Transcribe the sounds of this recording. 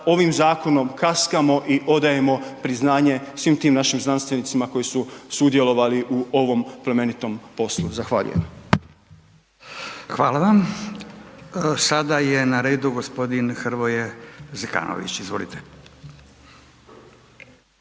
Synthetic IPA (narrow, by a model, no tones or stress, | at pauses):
o̞ʋimzaːko̞no̞mkaskamo̞ʔiʔo̞d̪aje̞mo̞pɾiznaːɲe̞sʋimt̪iːmnaʃimznanst̪ʋe̞nit̪simako̞jisusud̪je̞lˠo̞ʋaliʔuoʋo̞mpleme̞nit̪o̞mpo̞sluzaxʋaːʎṵjem | xʋaːlaʋam | sad̪ajenaɾeːd̪uɡospo̞d̪inxr̩ʋojezeka̰ːno̰ʋḭt͡ɕizʋo̞lit̪e